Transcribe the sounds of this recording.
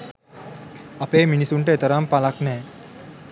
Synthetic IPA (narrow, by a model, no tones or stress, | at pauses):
apeːminisuɳʈəet̪əɾampalaknɛː